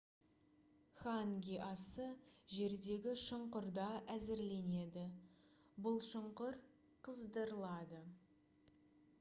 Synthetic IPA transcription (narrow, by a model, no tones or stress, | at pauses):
χaŋɡʲiʔɑsəʒe̞ɾd̪e̞ɡʲɪʃəɴqʊɾd̪ɑʔæzɪɾle̞ne̞d̪ɪ | bʊlˠʃəɴqʊɾ | qʰəzd̪əɾəlˠɑd̪ə